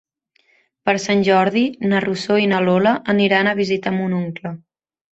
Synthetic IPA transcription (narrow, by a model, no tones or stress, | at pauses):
pəɾsanʲʒɔɾðinərusoinəloləʔəniɾanəβ̞izit̪əmunuŋklə